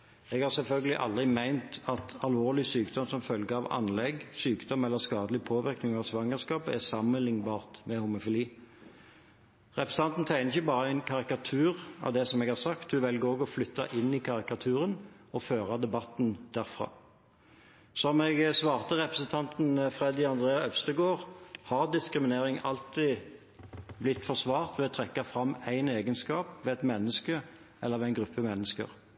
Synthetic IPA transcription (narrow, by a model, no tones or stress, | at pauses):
ɛɡhɑːʁsɛlfœlɡəlɪ̰ʔɑ̰ld̪ʁɪmæɪnt̪ɑt̪ɑlʋoːʁlɪsyːkd̪ɔmsɔmfœlɡəɑʋɑ̰nlɛɡsyːkd̪ɔmɛlːəskɑːd̪əlɪpʰoːʋɪʁknɪŋɑʋsʋɑŋːəskɑːpæsɑmːənlɪŋbɑːʁt̪mɛhʊmʊfɪliː | ʁɛpɾʁəs̩n̩ɑnt̪n̩t̪ʰæɪnəɪçəbɑːʁəæɪnkʰɑʁɪkɑt̪ʰʉːʁɑ̰ʋd̪ɛsɔmɛɡhɑʁsɑkt̪̚d̪ʉʋɛlɡəɾoːɡɔflʏt̪ʰːɑ̰ʔɪnːɪkʰɑʁɪkɑt̪ʰʉːɾən | ɔføːʁɑd̪ɛbɑt̪n̩d̪̥æɾfʁɑ̰ː | sɔmɛɡsʋɑːʁt̪əʁɛpʁəsən̩t̪ʰɑnt̪n̩fʁɛd̪ɪɑnd̪ʁeːɑœʋst̪əɡoːʁhɑʁd̪ɪskʁɪmɪneːɾɪŋɑlt̪ɪ | blɪt̪ːfɔʁsʋɑːʁt̪ʋɛɔt̪ʰɾɛkːɑfɾɑmːæɪneːɡənskɑːpʋɛæt̪mɛnːəskə | ʔɛlːəɾʋɛæɪnɡɾʉpʰːəmɛnːəskə̰ʁ